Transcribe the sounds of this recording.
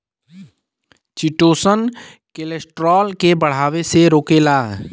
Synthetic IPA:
t͡ʃiʈoːsən | kelesʈɾɔːlkebəɽ̤aːweseɾoːkelaː

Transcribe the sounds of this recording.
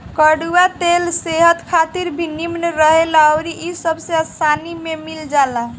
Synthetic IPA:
kəɖuat̪elseɦət̪kʰat̪iɾbʱinimnəɾəɦelaəɾiʔisəbsẽəsanimemild͡ʒalaɦ

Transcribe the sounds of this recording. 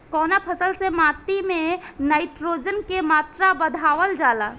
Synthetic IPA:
kɔːnapʰəsəlsemaːt̪imẽnaɪʈ̪ɾod͡ʒənkemaːt̪ɾabəd̪ʱaːʋəld͡ʒaːla

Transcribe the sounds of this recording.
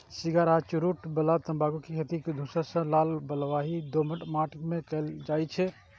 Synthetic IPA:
siɡaɾat͡ʃuɾuʈbəlat̪əmbaɡukekʰet̪iked̪ʱusəsə̃lalbəlʋaɦid̪oməʈmaʈmekɛld͡ʒajt͡ʃʰɛ

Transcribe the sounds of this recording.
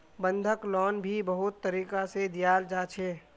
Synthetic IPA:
bə̃nd̪ʱəklɔːnbʱibəɦʊt̪ːəɾiːkased̪ijaːld͡ʒaːt͡ʃʰeː

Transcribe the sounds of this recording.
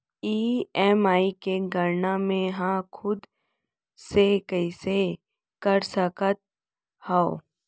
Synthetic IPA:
iːɛːmaːikeɡʱəɾnamẽɦãkʰʊd̪ | sekəɪse | kəɾsəkət̪̚ | hao

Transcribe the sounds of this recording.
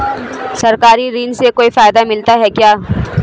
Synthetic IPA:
sɐɾkaːɾiɾĩːnsekoːifaːjd̪amɪlt̪aɦɛkjaː

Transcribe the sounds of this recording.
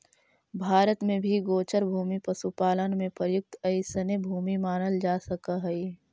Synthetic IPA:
bʱaːɾət̪mẽbʱiɡoːt͡ʃəɾbʱuːmipəsupaːlənmẽpɾəjʊk̚t̪ɐɪsənebʱuːmimaːnəld͡ʒaːsəkaɦɛi

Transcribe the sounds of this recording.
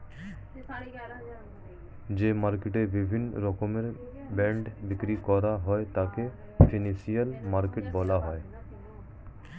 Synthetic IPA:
d͡ʑemaɾkeʈebibʱin̰ːɾɔkomeɾ | bɛɳɖbikɾikɔɾaɦɔet̪ake | finisijalmaɾkeʈbɔlaɦɔe

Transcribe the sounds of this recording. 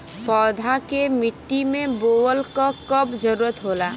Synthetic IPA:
pɔːd̪ʱakemɪʈːimẽboːwəlkakəbd͡ʒəɾuːɾət̪ɦoːlaː

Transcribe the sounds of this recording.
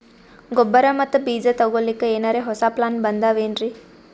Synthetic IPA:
ɡɔbːɐɾɐmɐt̪ːubiːd͡ʒɐt̪ɐɡoːlikːeeːnaɾeːɦɔsaplaːnbɐnd̪aːʋeːnɾi

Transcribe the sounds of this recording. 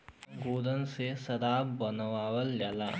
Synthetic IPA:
ɡuːd̪ɐnsesɐd̪aːbbɐnɐʋaːʋɐljɐlɐ

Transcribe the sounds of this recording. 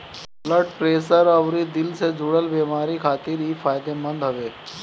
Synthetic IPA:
bləʈ̚pɾeːsəɾɐʋɾid̪ɪlsed͡ʒʱʊɽəlbeːmaːɾikʰaːt̪ɪɾɦiːfaːjd̪emɐ̃nd̪ɦɐʋeː

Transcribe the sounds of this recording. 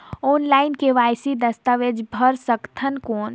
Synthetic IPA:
oːnlaːɪnkeʋaːjsid̪əst̪aʋed͡ʒbʱəɾsəkt̪ʰənkoːn

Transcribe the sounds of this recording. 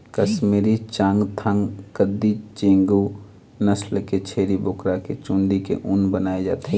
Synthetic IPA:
kəsmeɾit͡ʃãːŋɡt̪ʰãŋɡkəd̪it͡ʃẽŋɡu | nəslket͡ʃʰeːɾiboːkɾaket͡ʃũnɖ̪ikḛʔunbənaːed͡ʒa̰ːt̪ɦe

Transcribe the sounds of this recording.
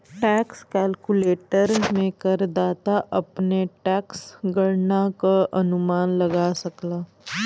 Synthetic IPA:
ʈɛːkskɛːlkuleːʈəɾmẽkəɾd̪aːt̪aʔɐpneʈɛːksɡəɽnakaʔɐnumaːnlɐɡasəklaː

